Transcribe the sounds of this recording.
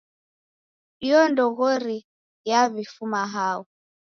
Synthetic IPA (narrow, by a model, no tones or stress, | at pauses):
iɔndɔɣɔɾi | jaβifumaɦaɔ